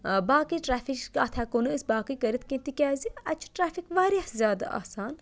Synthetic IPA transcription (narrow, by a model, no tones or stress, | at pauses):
baːkiʈɾaːfikkaːt̪ʰɛːkonɨɨsʲbaːkikəɾit̪kʲẽnt̪ikʲaːziɐt͡ʃʰʈɾaːfikʋaːɾʲjazʲjaːd̪a̰ʔa̰ːsaːn